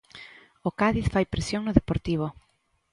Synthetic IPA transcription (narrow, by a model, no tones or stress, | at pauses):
okaðiθfajpɾesjoŋnʊðepoɾt̪iβ̞o